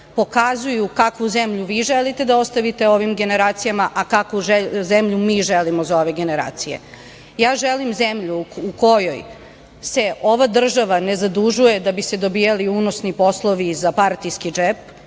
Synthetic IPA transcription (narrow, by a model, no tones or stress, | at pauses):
po̞kazujukakʋuzemʎuʋiːʒelit̪e̞d̪ao̞st̪aʋit̪e̞o̞ʋimɡe̞ne̞ɾaːt̪sijamaʔakakuʒezemʎumiːʒelimozao̞ʋeɡe̞ne̞ɾa̰ːt̪sijḛ | jaːʒelimzemʎuuko̞joj | se̞o̞ʋad̪r̩ʒaʋanezad̪uʒuje̞d̪abised̪obijaliunosnipo̞slˠoʋizapaɾt̪ijskid͡ʒep̚